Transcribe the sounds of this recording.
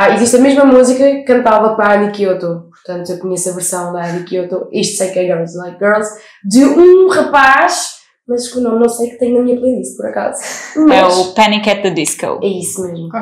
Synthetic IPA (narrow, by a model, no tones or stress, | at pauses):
aiziʃt̪ɐmeʒmɐmuzikɐkɐ̃nt̪avɐpɾɐaɐnikiot̪opuɾt̪ɐ̃nt̪uewk̪uɲɛsɐvɨɾsɐ̃w̃d̪ɐɐlikiot̪oiʃt̪sɐjkɛɡɐw̃zlˠajk̚ɡɜɾlˠz | d̪ɨũʁɐpaʃ | mɐzuʃkunɐ̃w̃nɐ̃w̃sɐjkt̪ɐ̃ɲ̃nɐmiɲɐplˠẽd̪ispɔɾɐka̰zumɐɛupɐnikɛt̪̚d̪ɐd̪iʃko̰wɛisumeʒmu